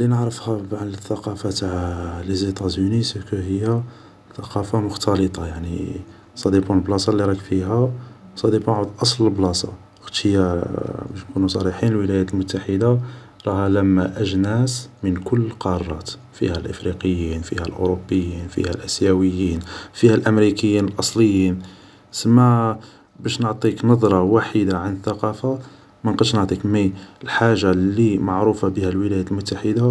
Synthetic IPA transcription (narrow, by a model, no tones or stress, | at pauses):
linəʕɾəfhæbʕanləθːɑqɑfat̪aʕlizit̪ˤɑzunisəkuhəjːæ | θɑqɑfamʊxt̪ɑlət̪ˤɑjaʕnḭ | sˤɑd̪ibunəlblɑsˤɑlːiɾˤɑkfiɦæsˤɑd̪ibunʕud̪ʔɑsˤləlblɑsˤɑ̰ | xt̪ːəjːæbæʃnkunusˤɑɾiħinəlwəlæjæt̪əlmʊt̪ːaħəd̪a | ɾˤɑhælæmːæʔəʒnæsmənkʊlːqɑrˤːɑ̰t̪ | fḭhælʔə̰fɾiqəjːinfḭhælʔo̰ɾobːəjːinfḭhælʔæsjæwəjːinfihælʔəmɾikəjːinəlʔɑsˤləjːin | səmːa | bæʃnəʕt̪ˤiknɑd̪ˤɾˤɑwaħid̪aʕanəθːɑqɑfa | mænqd̪ʃnəʕt̪ˤikmiəlħaʒːalimaʕɾufabəhælwəlæjæt̪lmʊt̪ːaħəd̪a